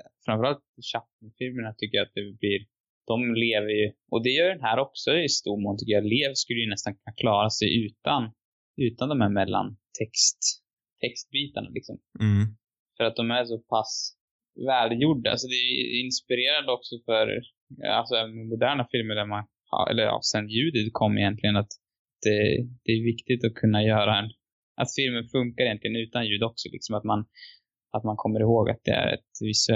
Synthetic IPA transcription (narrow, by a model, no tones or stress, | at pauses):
fɾãmfœɾalt̪ɕap̪ːfɪlməɳat̪ʰʏkːəjaat̪̚d̪ɛbliːɾ | d̪̥ɔmleːvəɾjɵʔɔd̪ɛjœːɾjɖ̪ɛnɦæːɾɔksɔɪst̪uːɾmoːnt̪ʰʏkːəjaleːvəʂkɵlːəjɵnɛst̪ankʰɵnːakʰlɑːɾasɛjʔʉ̟ːt̪an | ʉ̟ːt̪and̪ɔmhæːɾmɛlːa̰nt̪ʰɛkst̪ | t̪ʰɛkst̪̚biːt̪aɳa̰lɪ̰ksɔ̰m | fœɾat̪̚d̪ɔmæɾʂɔpʰas | vɛːljuɖːaa̰lsɔd̪ɛɪnspɪɾeːɾand̪əɔksɔfœɾ | a̰lsɔɛvnmʊd̪æːɳafɪlməɖ̪æman | ha̰ɛ̰lːəɾɑ̰ːsɛnd̪jʉ̟ːd̪ət̪kʰɔmːɾɪ̰jɛnt̪lɪɡənat̪ | d̪̥ɛd̪̥ɛæɾvɪkt̪ɪt̪ɔkʰɵnːajœːɾaɛn | ʔa̰t̪fɪlmənfɵŋkaɾɪjɛnt̪lɪɡənʉ̟ːt̪anjʉ̟ːd̪ɔksɔlɪ̰ksɔmat̪man | at̪mankʰɔmːəɾɪɦoːɡa̰t̪̚d̪ɛ̰æ̰ɾɛ̰t̪vɪsɛ